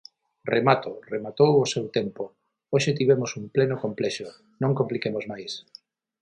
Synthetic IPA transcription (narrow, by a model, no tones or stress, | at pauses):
remat̪oremat̪owosewt̪empo | oʃet̪̬iβemosumplenokomplɛʃo | nõŋkomplikemozmajs